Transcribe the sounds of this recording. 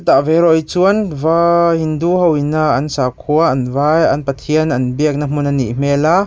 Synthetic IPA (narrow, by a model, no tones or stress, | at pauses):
t̪aʔvɛɾɔjt͡suənvahinduɦɔwinːaʔɐnsaːkʰuɐʔɐnvajɐ̰npɐt̪ʰiənʔɐnbiək̚nam̥unanḭʔm̥ɛla